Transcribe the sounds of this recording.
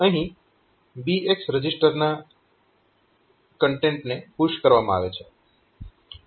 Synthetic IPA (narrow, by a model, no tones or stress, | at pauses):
əɦĩ | bieksɾəd͡ʒisʈəɾna | kəɳʈẽɳʈnepuʃkəɾʋamãa̰ʋet͡ʃʰe̥